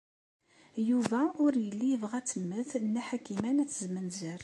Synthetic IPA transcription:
juvæʊɾjəlːijəvʁæt͡sːəmːəθnːæħakːimænæt͡sːzmənzəɾ

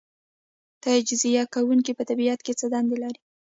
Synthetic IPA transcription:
t̪ɑd͡ʒɪzijɑkawuŋkipət̪abiat̪ket͡səd̪ɑnd̪elaɾi

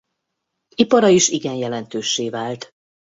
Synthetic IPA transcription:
ipɒɾɒiʃiɡɛnjɛlɛnt̪øːʃːeːvaːlt̪

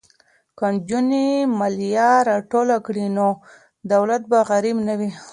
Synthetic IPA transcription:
kad͡ʒunemaljɑɾɑʈolakɽino | d̪awlat̪̚baɣaɾibnawi

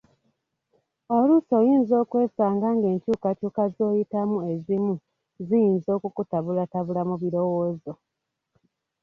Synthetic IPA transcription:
oluso̞ːjiːnzo̞ːkwe̞ːsaːŋɡaːŋɡe̞ːɲcuːkacuːkazo̞ːjitamue̞zimu | zijiːnzo̞ːkukutaβulataβulamuβiɾo̞woːzo̞

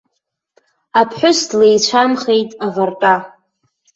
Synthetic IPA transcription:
apʰħʷᶣʊsdlejt͡ɕʷʰamχe̞jtʼavartʼa

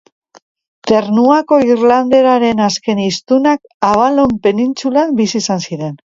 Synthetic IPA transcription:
t̪e̞ɾnuako̞irland̪e̞ɾaɾe̞naske̞nist̪unak | aβ̞alo̞mpe̞nint͡sulakbisisansiɾe̞n

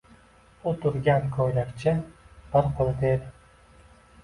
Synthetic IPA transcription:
ot̪ʰʊɾɡʲankʰojlakʲt͡ʃʰɪb̥ɪɾqʰolt̪ʰed̪ɪ

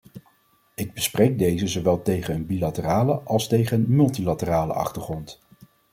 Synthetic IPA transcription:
ɪɡ̚bəsprejɡ̚dejzəzowʋɛlˠtejχənənbilatəraːləʔɑlˠstejχənmɵlˠtilatəraːlə̰ɑ̰χtəɹχrɔnt

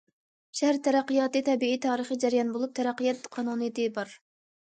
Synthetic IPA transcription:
ʃæhæɾt̪ʰɛɾæqːəjɑːt̪ɨt̪ʰɛbiit̪ʰɑːɾəχəd͡ʒæɾjɑnbolˠup̚t̪ʰɛɾɑqːəjɑt̪qʰɑnunɨd̪ɨbɑɾ

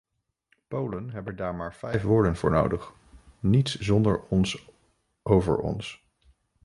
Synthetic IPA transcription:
powlənɦɛbəndaːɹmaːɹvɛjfʋʊːɹdənvʊːɹno̰wdəχ | nitszɔndəɹɔns | owvə̰ɹɔ̰ns

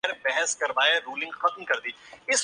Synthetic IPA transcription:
ɾbɛɦɛskɐɾʋaːjaɾuːlɪ̃ŋɡxɐt̪mkɐɾd̪iːɪs

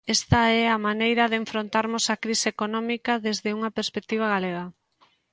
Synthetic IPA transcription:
ɛst̪ɐɛɐmanejɾɐðeɱfɾont̪aɾmʊsakɾiseekonɔmikɐðezðɪuŋɐpeɾspek̚t̪iβ̞ɐɣaleɣɐ

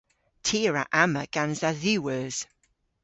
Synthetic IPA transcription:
tʰiːɹaʔaməɡ̥anzaðʉwəz̥

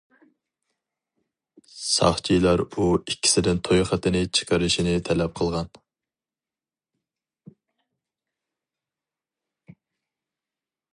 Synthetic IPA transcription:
sɑ̰χt͡ʃʰijlˠɑɾuikʲʰːi̥sɪd̪ɪnt̪ʰojχət̪ʰɪnɪt͡ʃʰə̥qʰəɾɨʃinɪt̪ʰɛlɛp̚qʰəlˠʁɑn

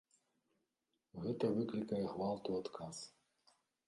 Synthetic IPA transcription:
ɣɛt̪ɐvɨklʲikɐjɛɣvalˠt̪uat̪kʰas

